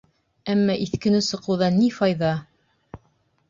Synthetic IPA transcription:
æmːɑʔiθkɘ̆nɘsɤ̆qɤ̆wðɑnːifɑjðɑ

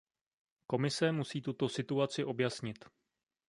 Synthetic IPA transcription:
ko̞mɪsɛmusiːt̪ut̪o̞sɪt̪uat͡sɪʔo̞bjasɲɪt̪

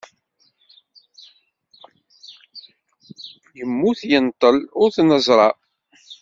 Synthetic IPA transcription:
jəmːuθjənt̪ˤəlʊɾθnəzˤɾˤɑ

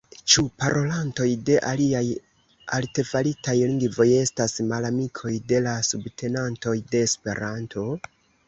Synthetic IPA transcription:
t͡ʃupaɾʔo̞lanto̞jde̞ʔaliaj | a̰lte̞falitajliŋɡvo̞je̞stasmalamikʰo̞jde̞lasubtʰe̞nanto̞jde̞ːspe̞̰ɾantʰo̞

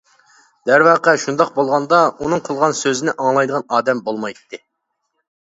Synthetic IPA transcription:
d̪̥æɾwɑːqəʃund̪ɑq̚bolˠʁɑnd̪ɑunɨŋqʰəlˠʁɑnsøzɪnɪʔɑŋlˠɑjd̪əʁɑnɑːd̪ɛmbolˠmɑjt̪ʰːɨ

